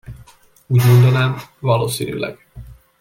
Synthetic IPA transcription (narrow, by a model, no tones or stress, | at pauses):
uːɟmo̞nd̪ɒnæːmvɒloːsiny̰lɛ̰ɡ̥